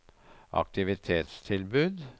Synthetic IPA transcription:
ʔɑ̰k̚t̪ɪʋɪt̪ʰeːt̪st̪ʰɪlbʉːd̪

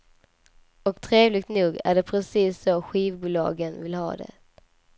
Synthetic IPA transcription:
ɔkt̪ʰɾeːvlɪɡ̚t̪nuːɡæ̰ɖɛpʰɾɛsiːsːɔɧiːvbuːlɑ̰ːɡənvɪlhɑ̰ːd̪ɛ̰

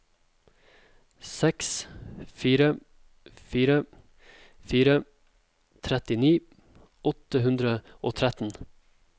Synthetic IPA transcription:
sɛksfiːɾə | fiːɾə | fiːɾə | t̪ʰɾɛt̪ɪniː | ɔt̪əhʉnd̪ɾəo̰ːt̪ʰɾæt̪n̩

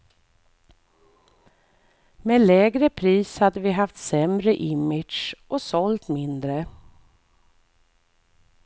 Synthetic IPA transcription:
meːlɛːɡɾəpʰɾiːshad̪ːəvɪɦaft̪sɛmɾəʔɪmɪ̥ʂʔɔsɔlt̪mɪnd̪ɾə

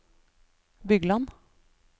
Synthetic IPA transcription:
bʏɡlɑn

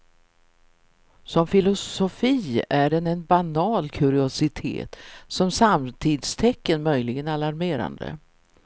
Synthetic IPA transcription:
sɔmfɪlʊssɔfiːæɖɛnɛnbanɑːlkʰɵɾɪʊsɪt̪ʰḛːt̪sɔmsamt̪ʰiːd̪st̪ʰɛkːənmœjlɪɡənalaɾmeːɾa̰nd̪ə̰

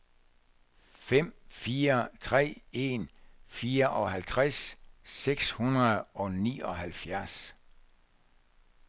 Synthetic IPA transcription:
fem̰fiːɐt͡sʰʁɛ̰ːe̝nfiːɐʔɒ̽ɦælt͡sʰʁasseɡ̥shunɐð̩ˠɒ̽nḭːɒ̽hælfjæɐs

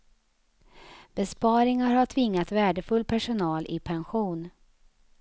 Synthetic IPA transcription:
b̥ɛspɑːɾɪŋaɾhaʈʰvɪŋːat̪væːɖəfɵlːpʰæʂʊnɑːlʔɪ̰pʰɛnɧuːn

